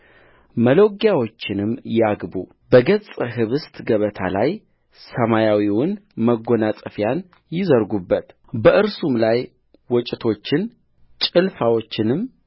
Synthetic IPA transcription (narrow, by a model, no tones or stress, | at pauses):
məloɡjawo̞t͡ʃːɪnɨmjaɡbu | bəɡət͡sʼɨɦɨβɨst̪ʰɡəβət̪ʰa̰laj | səmajawiwʊnməɡonasʼəfjan | jɪzəɾɡubːət̪ | bəʔɨɾsumlaj | wɔt͡ʃʼɪt̪ʰo̞t͡ʃːɪn | t͡ʃʼɨlfawot͡ʃːɪnɨm